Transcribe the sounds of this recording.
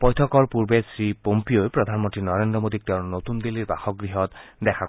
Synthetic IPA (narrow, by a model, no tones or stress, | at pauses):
pɔjtʰɔkɔɹpuɹbesɹipompiojpɹɔd̪ʱanmɔntɹinɔɹendɹɔmod̪ik̚t̪ɛʊ̃not̪und̪iliɹba̰xɔk̚ɡɹiɦɔt̪d̪ɛkʰa